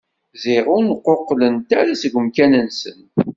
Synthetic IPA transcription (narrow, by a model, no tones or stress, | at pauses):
zɪʁʊnqːoqːlənt̪æɾasəɡʷəmkænənsən